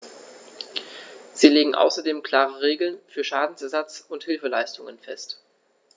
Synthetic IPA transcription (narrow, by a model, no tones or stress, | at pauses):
z̥iːleːɡŋ̩ʔa̰ʊsɐdeːmkl̥aːʁəʁ̞eːɡl̩nfyːɐʃaːdn̩sɛɐzat͡sʊnthɪlfəlaɪstʊŋənfɛ̰st